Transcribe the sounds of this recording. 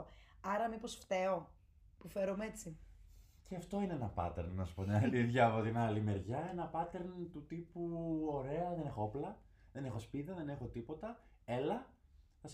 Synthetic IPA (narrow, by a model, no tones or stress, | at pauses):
ɐɾɐmipo̞sft̪e̞o̞ | pufeɾomee̞t͡si | ceɐft̪o̞ineenɐpɐ̰t̪ḛɾnːɐsu̥po̞t̪inɐliðʝɐvot̪inɐlime̞ɾʝɐe̞nɐpɐt̪e̞ɾnt̪ut̪ipuo̞ɾe̞ɐðene̞xooplɐ | ðe̞ne̞xo̞spiðɐðe̞ne̞xo̞t̪ipo̞t̪ɐelɐθɐs